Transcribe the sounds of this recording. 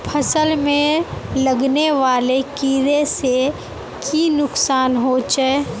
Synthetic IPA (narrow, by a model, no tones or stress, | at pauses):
pʰəsəlmẽləɡneʋaːlekiːɾese | kinʊksaːnɦot͡ʃə